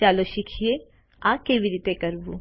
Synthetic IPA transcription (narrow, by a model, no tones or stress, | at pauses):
aːloʃikʰie | aːkebiɾit̪ekɐɾbu